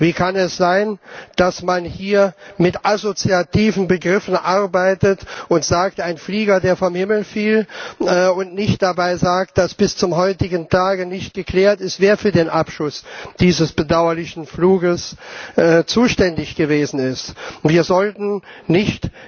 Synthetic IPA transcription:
viːkʰanɛsz̥aɪnd̥asmanhiːɐmɪtʔazot͡siatʰiːvn̩bəɡʁɪfn̩ʔaʁbaɪtətʔʊntz̥aːk̚taɪnfliːɡɐdeːɐfɔmhɪml̩fiːlː | ʊntnɪçt̚d̥abaɪzaːk̚t̚d̥asb̥ɪst͡sʊmɦɔʏtɪɡən̩tʰaːɡənɪçt̚ɡ̥əkʰl̥ɛːɐtɪstv̥eːɐfyːɐdeːnʔapʃʊsd̥iːzəsb̥ədaʊɐlɪçn̩fluːɡəsʔɛːt͡suːʃtɛndɪçɡ̥əveːzn̩ɪstv̥iːɐzɔltn̩nɪçt

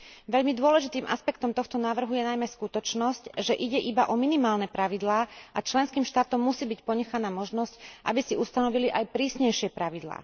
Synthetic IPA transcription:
ʋɛʎmid̪ʊɔlɛʒit̪iːmʔaspɛkt̪ɔmt̪ɔxt̪ɔnaːʋr̩ɦujɛnajmɛskut̪ɔt͡ʃnɔscʒɛʔiɟɛʔibaʔɔminimaːlnɛpɾaʋid̪laːat͡ʃlɛnskiːmʃt̪aːt̪ɔmːusiːbicpɔɲɛxanaːmɔʒnɔscʔa̰bisiust̪anɔʋiliʔajpɾiːsɲɛjʃɪɛpɾaʋid̪la̰ː

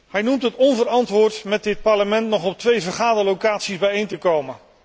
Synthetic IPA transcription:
hɛjnumtɦətɔnvəɾɑntʋʊːɹtmɛt̚dɪt̚pɑɹləmɛntnɔχɔp̚tʋejvəɹχaːdəlowkaːtsizbɛjejntəkowmən

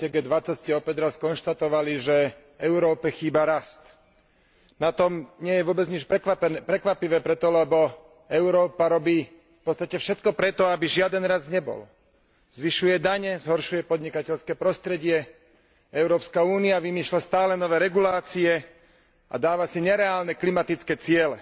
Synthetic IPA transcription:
ɛɡɛːd̪ʋat͡sacscɛɔpɛɟ̪ɾaskɔnʃt̪at̪ɔʋaliʒɛ | ɛʊɾɔːpɛxiːbaɾast̪ | nat̪ɔmɲɪɛjɛʋʊɔbɛd͡zɲit͡ʃpɛppɾɛkʋapiʋɛːpɾɛt̪ɔlɛbɔ | ɛʊɾɔːpaɾɔbiː | fpɔt͡st̪acɛfʃɛt̪kɔpɾɛt̪ɔabiʒɪad̪ɛnɾazɲɛbɔ̰l | zʋiʃujɛd̪aɲɛzɦɔɾʃujɛpɔd̪ɲikacɛʎskɛːpɾɔst̪ɾɛɟɪɛ | ɛʊɾɔːpskauːniaʋimiːʃlast̪aːlɛnɔʋɛːɾɛɡulaːt͡siɛ | a̰d̪aːʋasiɲɛɾɛaːlnɛklimat̪it͡skɛːt͡sɪɛlɛ

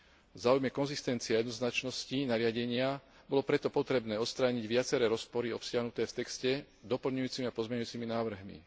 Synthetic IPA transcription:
vzaːujmɛkɔnzist̪ɛnt͡siajɛd̪nɔznat͡ʃnɔscinaɾɪaɟɛɲɪa | bɔlɔpɾɛt̪ɔpɔt̪ɾɛbnɛːɔt̪st̪ɾaːɲiɟʋɪat͡sɛɾɛːɾɔspɔɾiɔpsɪaɦnut̪ɛːft̪ɛkscɛ | d̪ɔpl̩ɲujuːt͡simiapɔzmɛɲujuːt͡siminaːʋr̩ɦmḭ

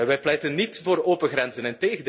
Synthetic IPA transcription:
ʋɛjplɛjtənːitvoːroːpəɣrɛnzənɪnteːɣəd

